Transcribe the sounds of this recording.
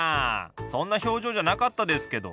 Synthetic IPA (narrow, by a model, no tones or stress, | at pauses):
aːsõ̞nːaço̞ːʑo̞ːʑanakat̪ːad̪e̞sɨ̥ke̞d̪o̞̰